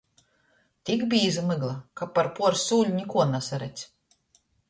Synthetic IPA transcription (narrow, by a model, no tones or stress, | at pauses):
t̪ʲikbʲiːzɨmɨɡlˠakapːaɾpuɔɾsuːlʲnʲikuɔnasaɾɛt̪sʲ